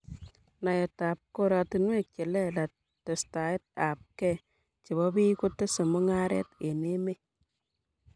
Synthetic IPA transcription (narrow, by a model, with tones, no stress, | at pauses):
na˨jɛ˨ta˨p̚ko˦ɾɔ˨ti˨nwe˦˨k̚t͡ʃe˨lɛ˦la˨ | tɛ˨sta˨ɪ˦t̚a˨p̚kɛ˦˨ | t͡ʃe˨βɔ˦bi˦ko˦te˦so˨mʊ˦ŋa˦ɾɛ̰˦te˨ne˦me˦